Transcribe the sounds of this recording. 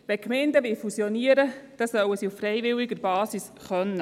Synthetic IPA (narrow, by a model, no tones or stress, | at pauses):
ʋɛkmɛndəʋɪfusjɔniəɾəd̥ɑsœwəsiufːrɛjʋɪwiɡəɾbɑːsis | χœnːə